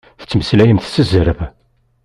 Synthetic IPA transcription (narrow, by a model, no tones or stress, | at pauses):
θə̥t͡sːməslæjəmθsəzəɾəv